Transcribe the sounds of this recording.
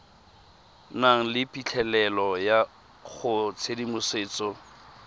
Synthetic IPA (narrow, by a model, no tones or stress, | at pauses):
naŋ̩lɪpʼit͡ɬʰɛlɛlɔja | ɣʊt͡sʰedimʊseːt͡sɔ